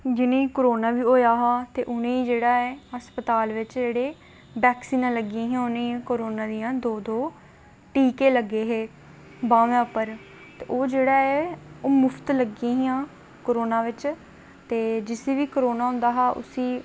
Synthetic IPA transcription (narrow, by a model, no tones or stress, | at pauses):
d͡ʒɪnẽːkoɾoːnaːʋiːoːjaːɦaːt̪eːʔʊnẽːiːd͡ʒeːɽaːeːɦəspət̪aːlʋɪt͡ʃd͡ʒeːɽeː | bɛːksiːnãːləɡĩːɦãːʊnẽːkoːɾoːnãːd̪ɪjãːd̪oːd̪oː | ʈiːkeːləɡːeːɦeː | bãːʋẽːʊpəɾ | t̪eːʔoːd͡ʒeːɽaːeːoːmʊfʰt̪ləɡĩːɦjãː | koɾoːnaːʋɪt͡ʃ | t̪eːd͡ʒɪseːʋiːkoɾoːnaːɦʊ̃nd̪aːɦaːʔʊ̰siː